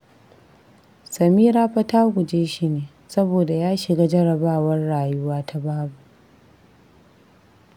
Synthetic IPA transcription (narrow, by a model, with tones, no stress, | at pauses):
sɐ˨miː˦ɾaː˦ɸɐ˦taː˦ɡʷʊ˨d͡ʒeː˦ʃi˦neː˨ | sɐ˦boː˨da˨jaː˦ʃɪ˨ɡa˦d͡ʒɐ˦ɽɐ˨baː˦wɐ˦rɽaː˨jʊ˦waː˦tʰa˦baː˦bu˨ʔ